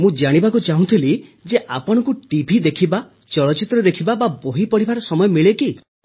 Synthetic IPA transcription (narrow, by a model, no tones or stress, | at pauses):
mũd͡ʒaɽ̃ibakut͡ʃaɦũt̪ʰilid͡ʒeʔapɔɽ̃ɔkuʈibʱid̪ekʰiba | t͡ʃɔɭɔt͡ʃit̪ɾɔd̪ekʰibababoɦipɔɽ̤ibaɾɔsɔmɔjɔmiɭeki